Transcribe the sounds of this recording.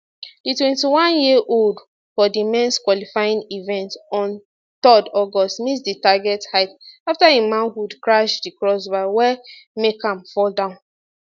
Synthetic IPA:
d̥itwɛ̃ntiwãnjiʔold | fɔdimɛ̃nskwɔlifajĩnivɛ̃ntɔ̃n | tɔdɔɡɔstmisditaɡɛthaɪtaftaimãnhudkɹaʃdikɹɔsbaɪwɛmekãmfɔldãʊ̃n

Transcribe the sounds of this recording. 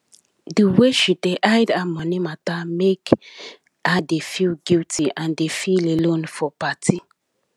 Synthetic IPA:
dəweʃideʔajdamɔnimatamek | adefilɡiltiʔãndefilelõnfɔpatʰi

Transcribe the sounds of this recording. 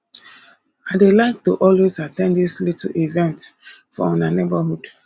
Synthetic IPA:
aɪdelaɪk̚tṵʔɔlwezatɛ̃ndislitivɛ̃ntfɔ̰ɔ̃nanebəɦud̥

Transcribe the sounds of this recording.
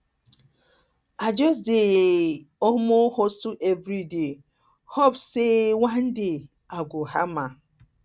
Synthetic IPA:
ad͡ʒɔs̬dɪ | omohossuʔevɾide | hɔpsewan̩dɪ | aɡʷʊha̰ma

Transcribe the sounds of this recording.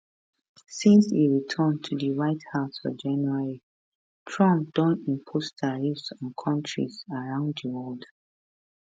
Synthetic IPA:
sĩnsiɹitʰə̃ntʰudəɹaɪthaʊsfɔ̰d͡ʒãnjuaɹi | tʰɹɔ̃mp̚d̥ɔ̃nĩmpʰostʰaɹifsɔ̃nkʰɔ̃ntʰɹḭzaɹãʊ̃nddəwɔld

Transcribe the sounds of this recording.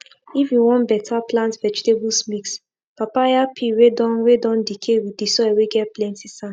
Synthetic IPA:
ifjuwɔ̃nbɛtʰaplãntvɛd͡ʒitebusmiks | papajapʰiɹedɔ̃nwedɔ̃ndikʰewidisɔɛweɡɛt̚plɛ̃ntisãn

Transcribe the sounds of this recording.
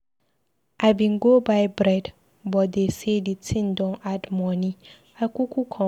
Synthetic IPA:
ʔabĩŋ̩ɡobaɪbɾɛd | bɔdeseditʰĩndɔ̃admɔ̃nĩ | akʰukʰʷʊkʰɔ̃

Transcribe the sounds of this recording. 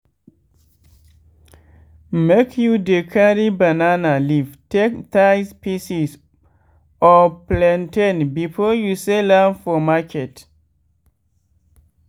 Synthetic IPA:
mekʰjudekʰaɾibananaliv̥tektajspisis | ɔplɛ̃ntʰɛ̃nbifɔjuselãnfɔmakʰɛt

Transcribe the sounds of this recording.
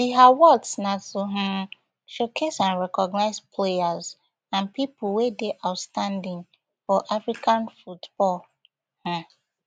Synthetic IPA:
wiawɔtsnatuɦ̩ | ʃokʰesãnɹɛkɔɡnaɪzpʰlejaz | ãnpipuwedeʔaʊtstãndĩŋ | fɔʔafɹikãnfutb̥ɔl | hã

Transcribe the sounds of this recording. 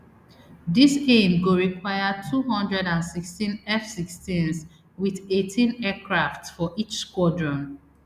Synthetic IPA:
disẽmɡoɹikwajatʰuɦɔ̃ndɹɛdãnsikstĩnɛfsikstĩns | wiðetʰĩnɛkʰɹaftsfɔʔit͡ʃskwɔdɹɔ̃n

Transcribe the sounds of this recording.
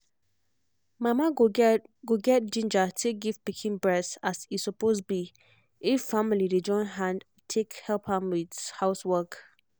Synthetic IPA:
mãmãɡoɡɛt̚d͡ʒĩnd͡ʒatʰek̚ɡivpikʰĩnbɹɛsasisɔposbi | ɪffãmilided͡ʒɔ̃ɪ̃nɦãnd | tʰːekhɛlpʰãmwɪdhaʊswɜk

